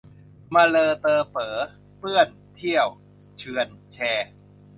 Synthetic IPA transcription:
ma˧lɤː˧t̪ɤː˧pɤː˩˦ | pɯ˥˩ən | t̪ʰi˥˩əw | t͡ɕʰɯ˧ənt͡ɕʰɛː˧

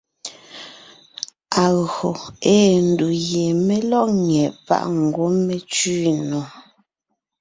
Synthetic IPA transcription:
a˨ɣɰo˨eː˦n̩˨du˨ɣje˨me˦lɔ˦ʔŋɛ˨ʔpa̰˦˨ʔŋ̩˨ɡwo˦me˦t͡ʃiː˦nɔ˨

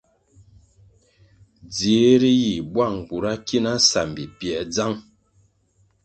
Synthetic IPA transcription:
d͡ze˨˦ɾi˦ji˨bwa˦˨ŋ˨ku˨ɾa˦ki˦na˦sa̰˨m˨bi˨pjɛ˨˦d͡za˦ŋ

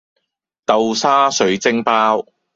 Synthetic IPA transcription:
t̪ɐ˨wsaː˥sɵ˨ɥt͡sɪ˥ŋpaː˥w

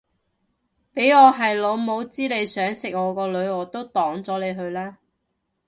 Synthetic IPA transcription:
pe˨˥jɔː˨˧ɦɐ˨jloː˨˧mo˨˧wt͡siː˥le˨˧jsœː˨˥ŋsɪ˨k̚ŋɔː˨˧kɔː˧lɵ˨˧ɥɔː˨˧t̪o˥wt̪ɔː˨˥ŋt͡sɔː˨˥le˨˧jɦɵ˧ɥlaː˥

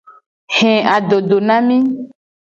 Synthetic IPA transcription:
hɛ̃˨a˨ɖo˨ɖo˨nã˦mĩ˦

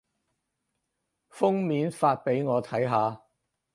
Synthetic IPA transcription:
fʊ˥ŋmiː˨˥nfaː˧t̚pe˨˥jŋɔː˨˧t̪ʰɐ˨˥jɦaː˨˧

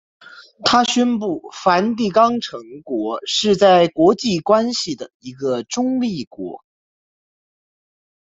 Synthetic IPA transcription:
t̪ʰa˥ɕɥɛ˥npu˥˩fa˧˥nt̪i˥˧kɑ˥ŋʈ͡ʂʰɤ˧˥ŋkwɔ˧˥ʂɻ̩˥˧t͡sa˥˩ɪkwɔ˧˥t͡ɕi˥˩kwa˥nɕi˨˩d̪ə˩i˧˥ɡə˧ʈ͡ʂʊ˥ŋli˥˩kwɔ̰˧˥

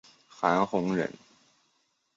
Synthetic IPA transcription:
xa˧˥nxʊ˧˥ŋɻə̰˧˥n

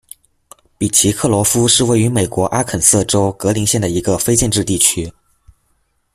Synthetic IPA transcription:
pi˨˩t͡ɕʰi˧˥kʰɤ˥˩lwɔ˧˥fu˥ʂɻ̩˥˧we˥˩ɪy˧˥me˨˩ɪkwɔ˧˥ʔa˥kʰə˨˩nsɤ˥˩ʈ͡ʂo˥ʊkɤ˧˥li˧˥ŋɕjɛ˥˩nd̪ə˩i˧˥ɡə˧fe˥ɪt͡ɕjɛ˥˧nʈ͡ʂɻ̩˥˧t̪i˥˩t͡ɕʰy˥

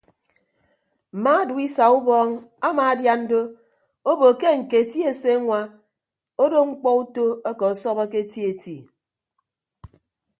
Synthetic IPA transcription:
m̩˨maː˦du˨i˦sa˨u˦bɔː˦ŋa˦maː˨a˦dja˦n̩˦do˦ | o˦bo˨ke˦ŋ̩˨ke˨ti˦e˨se˦ŋʷa˦ | o˦do˦ŋ͡m̩˦k͡pɔ˦u˦to˦e˦kɔ˨sɔ˦bɔ˦ke˦ti˦e˨ti˨

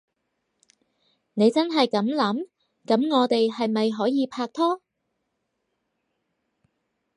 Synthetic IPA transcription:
ne˨˧jt͡sɐ˥nɦɐ˨jkɐ˨˥mlɐ˨˥m | kɐ˨˥mŋɔː˨˧t̪e˨jɦɐ˨jmɐ˨jɦɔː˨˥jiː˨˧pʰaː˧k̚t̪ʰɔː˥

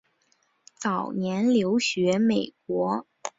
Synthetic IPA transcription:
t͡sɑ˨˩ʊnjɛ˧˥nljo˧˥ʊɕɥɛ˧˥me˨˩ɪkwɔ˧˥

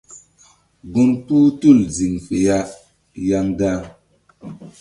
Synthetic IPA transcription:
ɡu˦npu˦tu˦˨lzi˨ŋfe˨ja˦ʔ | ja˦ŋda˦ŋ

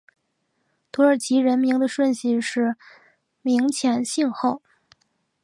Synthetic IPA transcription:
t̪ʰu˧˥ə˞˨˩t͡ɕʰi˧˥ɻə˧˥nmi˧˥ŋd̪ə˧ʂwə˥˧nɕi˥˩ʂɻ̩˥˩ | mi˧˥ŋt͡ɕʰjɛ˧˥nɕi˥˧ŋxo˥˩ʊ

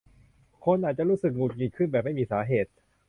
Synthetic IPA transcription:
kʰo˧nʔaː˨˩t͡ɕa˨˩ɾuː˦˥˩sɯ˨˩k̚ŋuː˨˩t̪̚ŋi˧˩kʰɯ˥˩˨nbɛː˨˩p̚ma˥˩jmiː˧saː˩˦ɦeː˨˩t̪̚

